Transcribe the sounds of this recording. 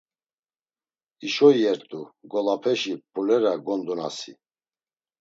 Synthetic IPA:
iʃɔjɛɾt̪ʼuɡɔlapʰɛʃipʼulɛɾaɡɔnd̪ɔna̰sḭ

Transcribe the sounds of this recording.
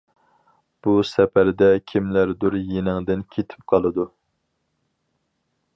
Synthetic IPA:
b̥usɛpæɾd̪ɛkʲʰimlæɾd̪uɾjenɪŋd̪ɪnkʲʰet̪ʰɪ̥p̚qʰɑlˠɨd̪u

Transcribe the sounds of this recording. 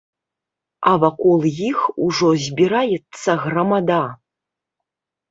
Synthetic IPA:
avakɔlˠjixuʐɔzʲbʲiɾajɛt̪sːɐɣrɐmad̪a

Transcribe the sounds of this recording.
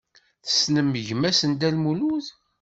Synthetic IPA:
θə̥snəmːəʝmæsənd̪ælmuluz

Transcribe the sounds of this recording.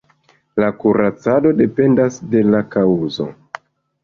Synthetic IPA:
lakuɾʔat͡sado̞de̞pe̞ndasde̞lakauzo̞̰

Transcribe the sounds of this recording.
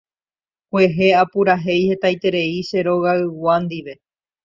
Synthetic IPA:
kwe̞ɦe̞apuɾaɦe̞jhe̞t̪ajt̪e̞ɾe̞iʃe̞ɾo̞ɣaɨwand̪iʋe̞

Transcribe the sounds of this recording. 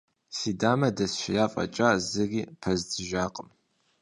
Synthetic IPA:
siːdaːmɐdɐsʃɪjaːfʼɐ̰t͡ʃʼaːzɨɡiːpʰɐzdɨʒaːqʼəm

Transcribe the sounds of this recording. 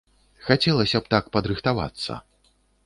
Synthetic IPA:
xat͡sʲɛlˠɐsʲɐpt̪akpɐd̪ɾɨxt̪ava̰t̪sːɐ̰

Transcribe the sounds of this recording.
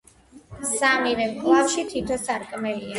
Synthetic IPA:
samivɛmɡʰlˠafʃit̪ʰit̪ʰɔsaɾkʼmɛlia

